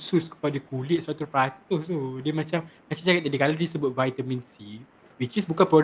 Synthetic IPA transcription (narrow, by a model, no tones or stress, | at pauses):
suskə̥padəkulɪʔ̪̚suat̪upat̪ʊht̪udiəmãt͡ʃammat͡ʃamt͡ʃakat̪̚ːadikaladisəbʊt̪̚vajt̪amĩnsi | wit͡ʃisbukanpɾɔ